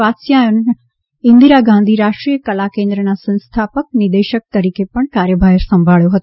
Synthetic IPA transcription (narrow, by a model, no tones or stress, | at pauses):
aːt̪sjajun | ɪ̃nd̪iɾaɡãːnd̪ʱiɾaːʂʈɾijəkɐlakẽːnd̪ɾənasə̃nst̪ʰaːpək̚nɪd̪eːʃək̚t̪ɐɾiːkepɐɳ̃kaːɾjəbʱaːjɾsɐ̃mbʱaːɭjoɦət̪o